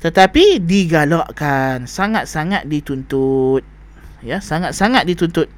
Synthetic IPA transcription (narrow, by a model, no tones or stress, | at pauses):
t̪ət̪apidiɡalɔʔkansaŋat̪̚saŋat̪̚dit̪unt̪ut̪̚ | jasaŋat̪̚saŋat̪̚dit̪unt̪ʊt̪̚